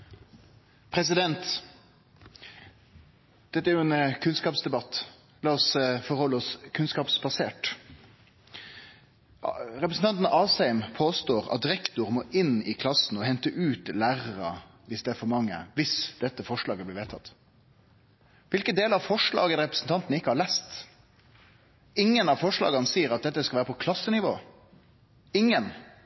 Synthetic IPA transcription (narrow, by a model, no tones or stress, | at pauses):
pʰɾɛs̬ɪd̪ɛnt̪ | d̪̥ɛt̪ːəæɾjʊɛnkʰʉnskɑːpsd̪ɛbɑt̪ː | lɑːɔsfɔɾhɔlːəɔskʰʉnskɑːpsbɑseːʈ | ɾɛpɾəsn̩t̪ɑnt̪n̩ɑːsæɪmpʰoːst̪oːʁɑ̰t̪̚d̪ɪɾɛkt̪ʊʁmɔːʔɪnɪkʰlɑsn̩ɔhɛnt̪əʔʉːt̪læːʁəɾə | ʋɪsd̪ɛæɾfɔɾmɑŋːə̰ʋɪsd̪̥ɛt̪ːəfɔʂɭɑːɡəblɪːʋeːt̪ʰɑt̪ː | ʋɪlkənd̪eːləɾɑʋfɔʂɭɑ̰ːɡəɾɛpɾəsn̩t̪ʰɑnt̪nɪkːəhɑɾɭæst̪ | ɪŋːənɑʋfɔʂɭɑ̰ːɡənəsiːəɾɑt̪̚d̪ɛt̪ːəskɑʋæːɾəpʰɔkʰlɑsːənɪʋo̰ː | ɪŋːən